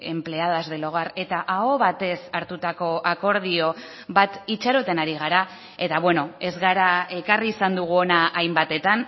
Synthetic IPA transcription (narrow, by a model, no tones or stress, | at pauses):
e̞mple̞aðazðe̞lo̞ɣare̞t̪aʔaoβat̪e̞saɾt̪ut̪ako̞ʔako̞ɾð̞io̞ | βat̪it͡ʃaɾo̞t̪e̞naɾiɣ̞aɾa | e̞t̪aβwe̞no̞e̞zɣaɾae̞kariːsand̪uɣ̞uo̞naʔːjmbat̪e̞t̪an